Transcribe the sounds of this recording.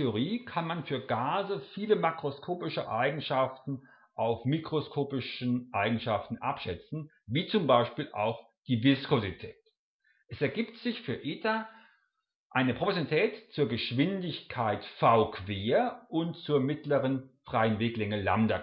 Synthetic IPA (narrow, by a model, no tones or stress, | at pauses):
eoʁiːkʰanmanfyːɐɡaːzəfiːləmakʁ̥oskʰoːpɪʃəʔaɪɡŋ̩ʃaftn̩ | ʔaʊfmikʁ̥oskʰoːpɪʃnʔaɪɡŋ̩ʃaftn̩ʔa̰pʃɛt͡sn̩ | viːt͡sʊmbaɪʃpiːlʔa̰ʊx | d̥iːvɪskozitʰɛːt | ʔɛsɛɐɡiːptz̥ɪçfyːɐʔɪːta | ʔaɪnəpʁ̥opozitʰɛːtt͡suːɐɡəʃv̥ɪndɪçkʰaɪtfaʊkʰv̥eːɐʔʊntt͡suːɐmɪtləʁənfʁ̥aɪənveːklɛŋəla̰mdɐ